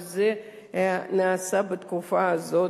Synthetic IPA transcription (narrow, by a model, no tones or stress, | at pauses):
zɨ | naːsabɨt̪kʰufazo